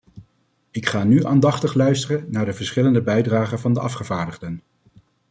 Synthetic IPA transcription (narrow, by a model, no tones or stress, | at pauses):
ɪkχaːnyʔa̰ːndɑχtəχlœɥstərənnaːɹdəvəɹsχɪləndəbɛjdraːχənvɑndəɑfχəvaːɹdəχdən